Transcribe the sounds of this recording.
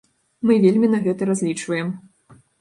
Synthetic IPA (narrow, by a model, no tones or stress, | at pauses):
mɨvʲelʲmʲinɐɣɛt̪ɐɾazʲlʲit͡ʂvɐjɛm